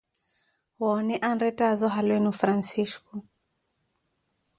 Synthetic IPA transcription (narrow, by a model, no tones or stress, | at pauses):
hwaɔnɛʔanɾɛtazɔɦalwɛnufɾansiskɔ